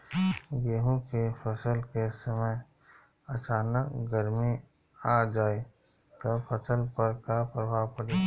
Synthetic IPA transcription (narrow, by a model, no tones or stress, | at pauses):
ɡeːɦõkepʰəsəlkesəməj | ɐt͡ʃaːnəkɡəɾmi | ad͡ʒaːe | t̪opʰəsəlpəɾkapɾəbʱaːwpəɽeː